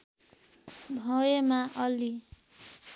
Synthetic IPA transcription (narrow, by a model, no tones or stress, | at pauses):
bʱʌjemaʔʌli